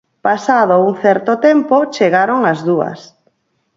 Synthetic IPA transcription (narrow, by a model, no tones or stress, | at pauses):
pasaðouŋθɛɾt̪ot̪ɛmpot͡ʃeɣaɾoŋazðuɐ̰s